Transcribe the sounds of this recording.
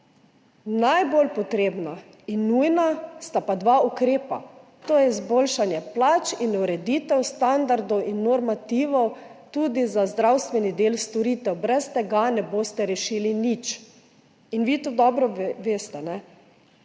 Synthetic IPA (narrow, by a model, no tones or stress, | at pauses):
najbolpɔt̪ɾeːbna | inːujnast̪apad̪ʋaukɾeːpa̰ | t̪oːjɛizbolʃanjɛplat͡ʃinuɾɛd̪iːt̪ɛwst̪and̪aɾd̪ɔwʔinːɔɾmat̪iːʋɔwt̪uːd̪izazd̪ɾawst̪ʋɛnid̪eːlst̪ɔɾit̪ɛwbɾɛst̪ɛɡanɛboːst̪ɛɾɛʃiːlinit͡ʃ | inʋiːt̪ud̪ɔbɾɔʋeːst̪ɛnɛ